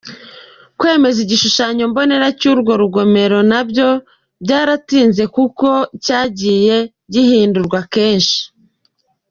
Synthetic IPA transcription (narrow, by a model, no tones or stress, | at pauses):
kwe̞ːme̞ziɟiʃuʃaɲo̞mbo̞ne̞ɾacuɾɡo̞ɾuɡo̞me̞ɾo̞nabɟo̞ | bɟaːɾatiːnze̞kuko̞caːɟiːje̞ | ɟihiːnduɾɡwake̞ːnʃi̥